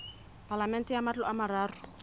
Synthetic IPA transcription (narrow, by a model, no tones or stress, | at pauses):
pʼalamɛntɛjamat͡ɬɔʔamaraːrʊ